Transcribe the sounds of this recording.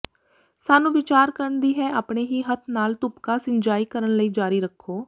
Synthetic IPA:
saːnũːʋɪt͡ʃaːɾkəɾəɳd̪iːɦɛːʔaːpɳeːɦiːɦət̪ʰnaːlt̪ʊpkaːsɪɲd͡ʒaːiːkəɾənləiːd͡ʒaːɾiːɾəkʰːoː

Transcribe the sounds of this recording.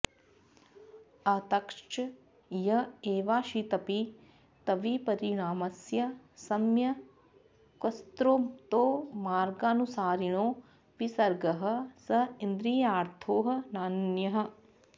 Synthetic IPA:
ɐt̪ɐkʂt͡ʃ | jɐeːʋaːʃit̪ɐpi | t̪ɐʋipɐɾiɽaːmɐsjɐsɐmjɐ | kɐst̪ɾoːt̪oːmaːɾɡaːnusaːɾiɳ̃oː | ʋisɐɾɡɐɦɐ̆sɐɪnd̪ɾiːjaːɾt̪ʰoːɦɐ̆naːnnjɐɦɐ̆

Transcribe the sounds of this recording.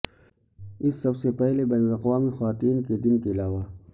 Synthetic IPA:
ɪsːɐbsepɛɦlebɐːnʊlɐqwaːmixwaːt̪iːnked̪ɪnkeɪlaːwa

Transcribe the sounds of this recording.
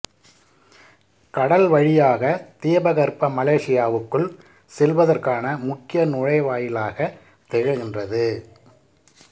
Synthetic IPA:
kɐɽɐlʋɐɻɪjaːɣɐt̪ɪjɐbɐɣɐɾpɐmɐleːʂɪjaːʋɯkːɯɭ | sɛlʋɐðɐrkaːnɐmʊkːɪjɐnʊɻɐɪʋaːjɪlaːɣɐ | t̪ɛɻɪɣɪndrɐðɯ

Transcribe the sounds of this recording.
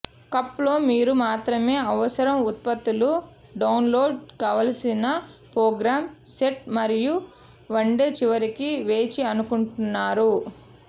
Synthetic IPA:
kɐpːlo̞ːmiːɾumaːt̪ɾɐme̞ːɐʋɐsɐɾɐmut̪̚pɐt̪ːulu | ɖɐwnlo̞ːɖkaːʋɐlɐsinɐpɾoːɡɾaːmseʈ̚mɐɾiju | ʋɐɳɖe̞ːt͡ʃiʋɐɾikiʋe̞ːt͡ʃiɐnukuɳʈunːaːɾu

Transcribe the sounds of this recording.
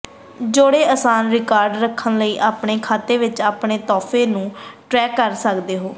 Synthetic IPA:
d͡ʒoːɽeːəsaːnɾɪkaːɾɖɾəkʰːənləiːʔaːpɳeːkʰaːt̪eːʋɪt͡ʃaːpɳeːt̪ɔːpʰeːnũːʈɾɛːkːəɾsəkd̪eːɦoː

